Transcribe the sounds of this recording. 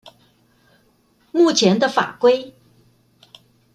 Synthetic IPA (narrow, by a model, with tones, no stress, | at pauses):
mu˥˩t͡ɕʰjɛ˧˥nd̪ə˧fa̰˨˩kwe˥ɪ